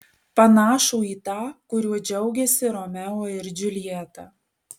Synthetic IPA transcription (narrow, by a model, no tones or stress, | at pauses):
pɐnɑːʃuːiːt̪ɑːkʊɾʲuɔd͡ʒʲɛʊɡʲɛsʲɪɾomʲɛloːɪɾd͡ʒʲʊlʲɪjɛt̪ɑː